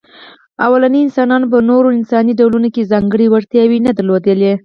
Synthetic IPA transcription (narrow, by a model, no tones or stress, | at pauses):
awalaniɪnsɑnɑnop̬ənoɾoɪnsɑniɖawlunokezɑŋɡəɽiwaɾt̪jɑwinad̪əɾlod̪əle